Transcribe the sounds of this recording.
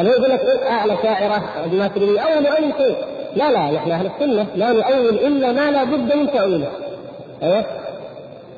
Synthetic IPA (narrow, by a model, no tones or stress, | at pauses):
januwːɡʊlːakʔɪʔalaʃaːʕɪɾa | d̪maːsllijʔawːalwʔajːɪʃeːlalanaħnaʔahlɪsːʊnːamaːnʊʔawːɪlʔɪlːamalaːbʊd̪ːmɪnt̪aʔwɪla | ʔejwa